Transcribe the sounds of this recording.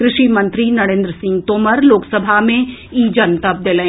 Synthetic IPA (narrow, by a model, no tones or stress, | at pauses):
kɾɪʃimɐ̃nt̪ɾinɐɽẽːnd̪ɾəsɪ̃ŋɡt̪oːməɾloːksəbʱamẽiːd͡ʒənt̪ɐp̚d̪eːlẽː